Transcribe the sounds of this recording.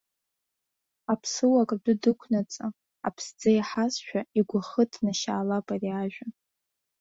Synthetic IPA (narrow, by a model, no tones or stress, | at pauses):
apʰsɨwakʼadʷʊdɨkʷʰnat͡sʼa | a̰pʰsd͡zajħasʃᶣaiɡʷaχətʰnaʃaːlapʼariaʒᶣa